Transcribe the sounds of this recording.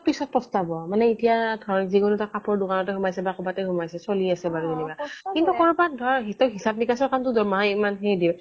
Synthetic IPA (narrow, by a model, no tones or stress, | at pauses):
pisɔt̚pɔstabɔamanɛitijadʱɔɹɔnziɡunutakapɔɹdukanɔtɛɦumajsɛbakɔbatɛɦumajsɛsoliasɛbaɹuzenikakintukɔɹupadʱɔɦitɔɦisab̚nikasɔkantʊdɔmaɦaimanɦejdiw